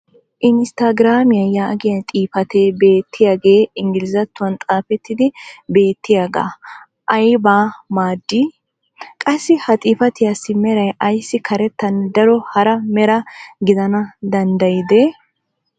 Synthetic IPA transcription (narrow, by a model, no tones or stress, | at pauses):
ʔɪnst̪aɡɪɾaːmɪjɐjaːɐɡɪjɐt̪ʼiːfɐt̪ebe̞ːt̪ʰːɪjaːɡe̞ːɪŋɡɪlɪzɐt̪ːʊwɐnt̪ʼaːfɛt̪ːɪd̪ɪbe̞ːt̪ːɪjaːɡa̰ː | ʔɐjbaːmaːd̪ːi | kʼɐsːɪhɐt̪ʼiːfɐt̪ɪjasːɪmɛɾɐjʔɐjsːɪkʰɐɾɛt̪ːɐnd̪ɐɾɔhɐɾɐmɛɾɐɡɪd̪ɐnɐd̪ɐnd̪ɐjɪd̪e